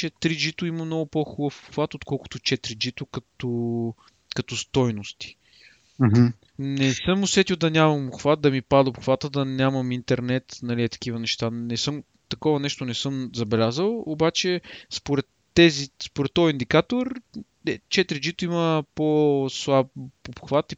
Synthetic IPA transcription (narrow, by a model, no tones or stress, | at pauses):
t͡ʃɛt̪ɾid͡ʒit̪ʊimɐmnɔɡʊpoxubəfxvat̪ot̪kɔlˠkʊ̥t̪ʊt͡ʃɛt̪ɾid͡ʒit̪ʊkɐt̪o | kɐt̪ɔst̪ɔjnʊst̪i̥ | nɛsɤmʊsvɛt̪ilˠd̪ɐnʲamɐmoxvat̪̚d̪ɐmipad̪opxvat̪əd̪ɐnʲamɐmint̪ɛɾnɛt̪nɐliɛt̪ɐ̥k̟ivənɛʃt̪anɛsɤm | t̪ɐkɔvɐnɛʃt̪onɛsɤmzɐbɛlʲazəlˠobat͡ʃɛspoɾɛt̪ːɛzispʊɾɛt̪ːɔjind̪ikat̪oɾ | ɛt͡ʃɛt̪ɾid͡ʒit̪ʊiməposlˠapopxvat̪i